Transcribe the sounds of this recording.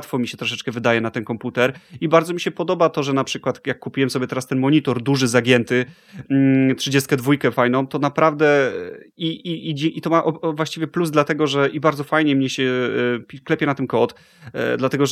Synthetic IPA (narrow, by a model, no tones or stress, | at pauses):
t̪fɔmʲiɕɛt̪ɾɔʂ̬ɛt͡ʂkɛvɘd̪ajɛnat̪ɛnkɔmput̪ɛɾibaɾd̪zɔmʲiɕɛpɔd̪ɔbat̪ɔʐɛnapʂɘkwat̪jakːupʲiwɛmsɔbʲjɛt̪ɛɾast̪ɛnmɔɲit̪ɔɾd̪uʐɘzaɡʲɛnt̪ɘ | tʂɘd͡ʑɛst̪kɛd̪vujkɛfajnɔ̃w̃t̪ɔnapɾavd̪ɛ | iʔiiʔit̪ɔmaʔɔvwaɕt͡ɕivʲjɛpluzd̪lat̪ɛɡɔʐɛʔibaɾdzɔfajɲɛmɲɛɕɛpʲiklɛpʲjɛnat̪ɛnkɔt̪ | d̪lat̪ɛɡɔʐ